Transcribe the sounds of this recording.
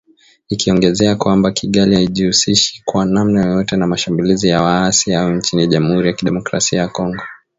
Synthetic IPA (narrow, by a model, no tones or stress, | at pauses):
ikiɔŋɡɛzɛakwambakʰiɠalihaiʄiusiʃi̥kwanamnajɔjɔtɛnamaʃambulizijawaasiaɔɲt͡ʃiniʄamuhuɾijakiɗɛmɔkɾa̰siajakɔŋɡɔ